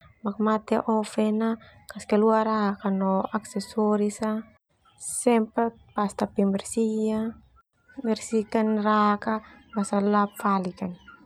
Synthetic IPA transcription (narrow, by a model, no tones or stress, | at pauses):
mak̚mat̪ɛʔɔfɛna | kaskɛluaɾaɦkanɔaksɛsɔɾisa | sɛmpa | past̪apɛmbɛrsia | mɛrsikanrakabasalapfalikan